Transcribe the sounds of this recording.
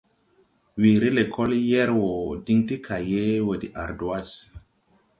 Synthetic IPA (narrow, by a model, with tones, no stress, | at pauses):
wi˨ɾi˦le˨kʰɔ˦ljɛ˦ɾwo˨di˦ŋti˦kʰa˨je˦we˨di˨ʔa˨ɾdo˨a˦s